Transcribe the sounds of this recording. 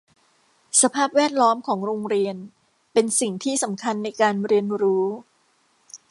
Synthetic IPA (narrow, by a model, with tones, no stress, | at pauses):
sa˧pʰaː˥˩p̚wɛː˥˩t̪̚lɔː˦˥mkʰɔː˩˦ŋɾoː˧ŋɾi˧ən | pe˧nsi˨˩ŋt̪ʰiː˥˩sa˩˦mkʰa˧nːa˧jkaː˧nɾi˧ənɾuː˦˥